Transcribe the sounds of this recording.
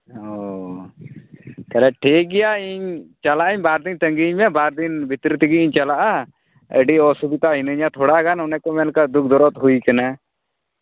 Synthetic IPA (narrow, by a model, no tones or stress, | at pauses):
ɦɔ | t̪ɛlɛʈʰik̚ɡɛjaiɲt͡ʃalaʔiɲbaɾd̪int̪əŋɡiɲmɛbaɾd̪inbʱit̪ɾit̪iɡiiɲt͡ʃalaʔa | ə̰ɖiɔsubit̪aɦinəɲat̪ʰoːɽaɡanɔnɛkɔmɛnkad̪uk̚ʰd̪ɔɾɔt̪ɦuikəna